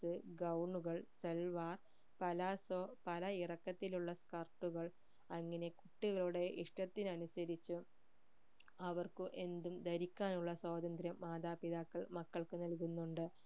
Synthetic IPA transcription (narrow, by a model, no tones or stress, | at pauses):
ɨɡɐwɳuɣɐɭselʋaːr | pɐlɐspɐlɐirɐkːɐt̪ːiluɭːɐskɐrʈːuɣɐɭ | ɐŋːɐne̞kuʈːiɣɐɭuɽe̞ʔiʂʈɐt̪ːinɐnusɐɾit͡ɕːu | ɐʋɐrkuʔe̞nd̪umd̪ɐɾikʲːaːnuɭːɐswaːd̪ɐnd̪ɾjɐmːaːd̪aːpiðaːkːɐɭmɐkːɐɭkɨnɐlkunːuɳɖɨ